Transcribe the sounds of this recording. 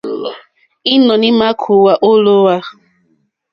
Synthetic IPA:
i˦nɔ˨nɪ˦ma˦kʰu˨wa˨ʔo˦lo˦wa˦

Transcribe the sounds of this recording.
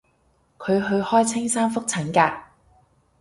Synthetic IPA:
kʰɵ˨˧ɥɦɵ˧ɥhɔː˥jt͡sʰɪ˥ŋsaː˥nfʊ˥k̚t͡sʰɐ˨˥ŋkaː˧

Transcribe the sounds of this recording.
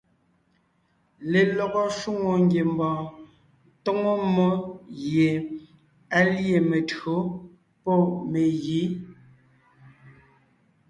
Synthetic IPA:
le˨lɔ˨ɣɔ˦ʃu˦ŋo˨ŋɡje˨m˦bɔ̃ː˨˦ | to˦ŋo˦mo˦je˨ | a˦lje˦˨me˨tɰo˨˦ | pɔ˦˨me˨ɣi˨˦

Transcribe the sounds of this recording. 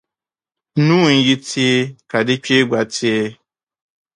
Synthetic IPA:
nũ˦˨n̩˨ji˦tʰi˦e˦ka˨dɪ˦t͡ʃe˦ɡ͡ba˨tʰi˦

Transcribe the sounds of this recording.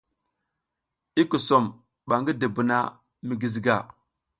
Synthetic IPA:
i˦ku˨so˨m | ɓa˨ŋɡi˦də˨bu˨na˦ | mi˨ɡi˨zi˨ɡa˨

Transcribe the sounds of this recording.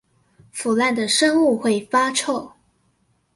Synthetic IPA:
fu˨˩la˥˩nd̪ə˩ʂɤ˥ŋu˥˧xwe˥˩ɪfa˥ʈ͡ʂʰo˥˩ʊ

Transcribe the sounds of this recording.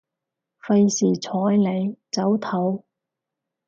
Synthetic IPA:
fɐ˧jsiː˨˩t͡sʰɔː˨˥jle˨˧jt͡sɐ˨˥wt̪ʰɐ˨˥w

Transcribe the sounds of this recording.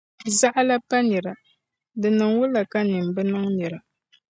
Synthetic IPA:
za˦ʔla˦pa˦nɛ˨ɾa˨ | dɨ˨nɨ˨ŋwʊ˦la˨ka˦nɨ˨m˨bɨ˦nɨ˦ŋnɨ˨ɾa˨

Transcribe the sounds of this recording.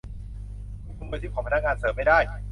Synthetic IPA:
u˧˩ku˧˥nuː˧jt̪ʰiː˥˩kʰɔ˨˦pa˧na˥˩ŋaː˧nsɤː˩˦mːa˥˩jdaː˥˩j

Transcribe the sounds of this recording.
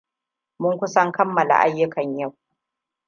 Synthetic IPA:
mʊ˦ŋkʷʊ˦sɐ˦ŋkɐ˦mːɐ˨la̰˨ʔa˦jːʊ˦kɐ˨ɲja˦˨w

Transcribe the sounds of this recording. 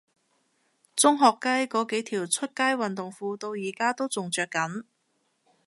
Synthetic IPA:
t͡sʊ˥ŋɦɔː˨kːɐ˥jkɔː˨˥ke˨˥jt̪ʰiː˨˩wt͡sʰɵ˥t̚kaː˥jwɐ˨nt̪ʊ˨ŋfuː˧t̪o˧wjiː˨˩kaː˥t̪o˥wt͡sʊ˨ŋt͡sœː˨kːɐ˨˥n

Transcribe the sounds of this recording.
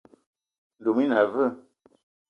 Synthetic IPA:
n̩˨du˨mi˦na˨və˦˨

